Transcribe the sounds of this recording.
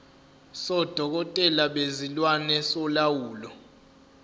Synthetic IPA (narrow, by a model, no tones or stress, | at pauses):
sɔd̥ʱɔk̬ɔtʼɛlaɓezilwanɛsɔlawuːlɔ